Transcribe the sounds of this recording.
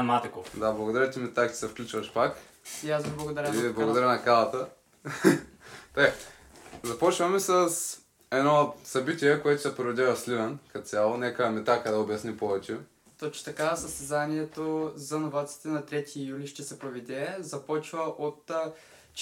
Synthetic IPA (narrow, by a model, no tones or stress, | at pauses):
mat̪ɛkod̪ablˠɐɡod̪ɐɾat̪imit̪akt̪i̥sɛfklʲut͡ʃvɐʃpak | iazviblˠɐɡod̪ɐɾiblˠɐɡod̪ɐɾʲanɐkalˠɐt̪ə | t̪oj | zɐpɔt͡ʃvɐmɛsəs | ɛd̪nɔsɐbit̪ʲiɛkoɛt̪ʊsɛpɾoɾɛd̪ʲavɐslivɐnkɐt̪sʲjalˠonʲɛkəɛmɛt̪akad̪aobjɐsnipɔvɛt͡ʃɛ | t̪ot͡ʃɪ̥t̪ɐkasəst̪ɛzaniɛt̪ozɐnovat̪si̥t̪ɛnɐt̪ɾɛt̪ijuliʃt̪ɛsɛpɾovɛd̪ʲɛzɐpɔt͡ʃvɐʔot̪ | t͡ʃ